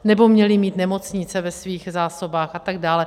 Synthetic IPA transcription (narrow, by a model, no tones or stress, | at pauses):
nɛbo̞mɲɛlɪmiːt̪nɛmo̞t͡sɲɪt͡sɛvɛsviːxzaːso̞baːxʔat̪aɡ̚daːlɛ